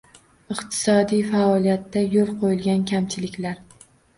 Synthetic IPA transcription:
ɨqt̪ʰɪ̥sɒd̪ijfaɒlijat̪ːajolˠqʰojɪlˠɡʲankʲʰamt͡ʃʰɪlɪkʲlaɾ

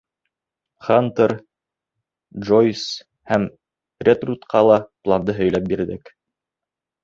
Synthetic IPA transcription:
χant̪əɾ | dʒojs | hæm | rʲet̪rut̪qʰɑlˠɑplˠand̪ɤɦɵ̆jlæp̚biɾðɘk

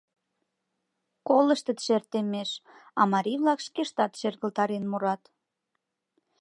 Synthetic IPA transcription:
koləʃt̪ə̆t̪ʃert̪emeʃɑmɑɾʲiβlɑkʃkeʃt̪ɑt̪ʃerɣə̆lt̪ɑɾenmuɾɑt̪

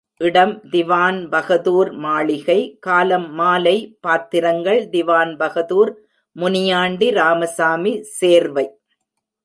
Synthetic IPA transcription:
ʔɪɽɐmd̪ɪʋaːnbɐɣɐðuːɾmaːɭɪɣɐɪkaːlɐmːaːlɐɪpaːt̪ːɪɾɐŋɡɐɭd̪ɪʋaːnbɐɣɐðuːɾ | mʊnɪjaːɳɖiɾaːmɐsaːmiseːɾʋɐɪ

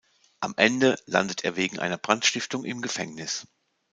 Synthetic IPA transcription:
ʔamʔɛndəla̰ndətʰʔeːɐveːɡŋ̩ʔa̰ɪnɐb̥ʁantʃtɪftʊŋʔɪ̰mɡəfɛŋnɪs

